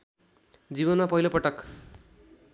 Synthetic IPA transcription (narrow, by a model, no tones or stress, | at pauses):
d͡zibʌnmapʌɦilopʌʈʌk